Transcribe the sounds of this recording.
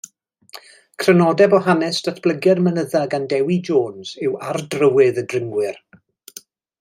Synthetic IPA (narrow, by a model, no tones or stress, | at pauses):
kʰr̥ənɔdɛbɔɦanɛsd̥atʰb̥ləɡɛrmənəðaɡandɛwid͡ʒoːnz̥ɪwardrəwɪðədrɪŋɡwɪr